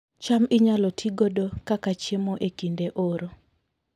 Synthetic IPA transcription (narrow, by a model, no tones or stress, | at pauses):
t͡ʃamɪɲalɔtʰiɡodokakat͡ʃjemoʔekindeʔoɾo